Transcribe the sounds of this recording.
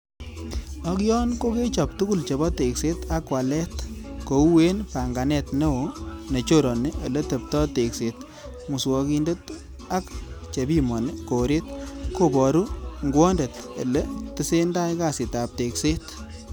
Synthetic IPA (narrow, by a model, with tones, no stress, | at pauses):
ɔ˦kjɔ˦nko˦ke˦t͡ʃɔ˨p̚tu˦ku˦˨lt͡ʃe˨bɔ˦te˨kse˦ta˦kwa˨lɛ˦tko˨u˦we˦npa˨ŋɡa˨nɛ˨tne˦o˨ne˨t͡ʃo˦ɾɔ˨ne˦ʔɐ˨le˦te˨p̚tɔ˦te˨kse˨t | mʊ˨su˨ɔ˧ki˦nde˦t | a˦kt͡ʃe˨bi˦mɔ˨nko˨ɾe˦t̪ko˨bɔ˨ɾu˦ŋɡwɔ˦nde˨t | e˨lɛ˦tɪ˦se˦nda˦jka˨sɪ˨ta˨p̚te˨kse˦t